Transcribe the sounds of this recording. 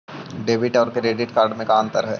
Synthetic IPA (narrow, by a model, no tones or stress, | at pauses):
ɖeːbɪʈɔːɾkɾeːɖɪʈkaːɾɖmẽkaːnt̪əɾɦɛ̰ː